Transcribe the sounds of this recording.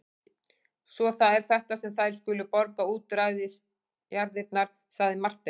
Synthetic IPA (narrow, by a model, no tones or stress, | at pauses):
svɔθaðɛɾ̥θɛht̪asɛmθajɾ̥skʏːlʏpɔɾkauːt̪ɾajðɪs | jaɾðɪt̪̚naɾ̥ | saɣðɪmar̥t̪ɛ